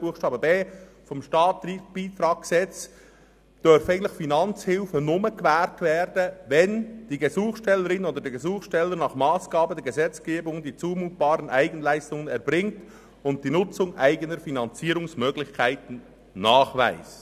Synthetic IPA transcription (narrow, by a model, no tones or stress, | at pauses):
buːxʃtɑːbəbeː | fɔmʃtɑːtib̥iːt̪ɾɑːɡ̥̚ɡəsɛt͡s | d̥øɾfaɪəntlɪxfinɑnt͡shɪlfənʊməkvɛːɾtvɛːɾdəvɛnd̥iːɡəzuːχsʃtɛlːəɾɪnoːdəɾdɛɡezuːxʃtɛlːəɾnɑːχmɑːsɡ̥ɑːbədɛɡəzɛt͡sɡ̥eːbʊŋdiːt͡suːmuːt̚b̥ɑːɾənʔaɪɡən̩læɪstʊŋənɛɾbɾɪŋt | ʊnt̚d̥iːnʊt͡sʊŋʔaɪɡənəɾfinɑnt͡siːɾʊŋsmøːɡlɪçkʰaɪtn̩ | nɑːχva̰ɪs